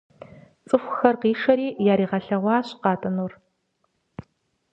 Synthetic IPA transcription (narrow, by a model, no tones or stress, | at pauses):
t͡sʼɨxʷxɐrqiːʂɐɾiːjaːɾiːʁɐɬɐʁʷɑːɕqɑːtʼɐnuːr